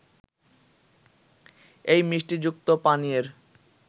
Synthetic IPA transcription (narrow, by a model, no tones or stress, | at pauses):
ejmiʃʈid͡ʑuk̚t̪opanieɾ